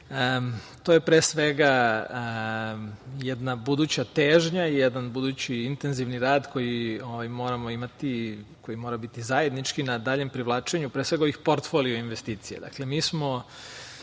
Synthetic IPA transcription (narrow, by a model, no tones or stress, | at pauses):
ət̪oːjepɾesʋeɡa | jɛd̪nabud̪uːt͡ɕat̪eːʒɲaijɛd̪anbud̪uːt͡ɕiint̪e̞nziʋniɾaːd̪ko̞jio̞ʋajmo̞ːɾamo̞imat̪ikojimo̞ːɾabit̪izaje̞d̪nit͡ʃkinad̪aːʎe̞mpɾiʋlˠaːt͡ʃeɲupɾeːsʋeɡaoʋixpo̞ɾt̪fo̞lioinʋest̪iːt̪sijḛd̪a̰kle̞miːsmo̞